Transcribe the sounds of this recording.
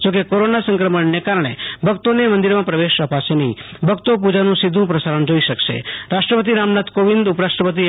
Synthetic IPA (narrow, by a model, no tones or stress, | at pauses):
d͡ʒok̬ekoɾonasə̃ŋkɾəməɳnekaɾəɳ̃ebʱəkt̪onemə̃nd̪iɾmãpɾəʋeʃəpasenibʱəkt̪op̬ud͡ʒanũsid̪ʱũpɾəsaɾəɳd͡ʒoiʃəkʃḛɾaʃʈɾəpət̪̬iɾamnat̪koʋind̪ʊpəɾaʃʈɾəpət̪̬i